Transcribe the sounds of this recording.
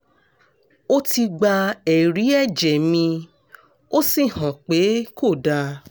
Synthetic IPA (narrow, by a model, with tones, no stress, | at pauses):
o˦ti˧ɡ͡ba˧ɛ˨ɾi˨˦ɛ˦˨d͡ʒɛ˨mĩ˧ | o˦si˦˨hɔ̃˨k͡pe˨˦ko˦˨da˧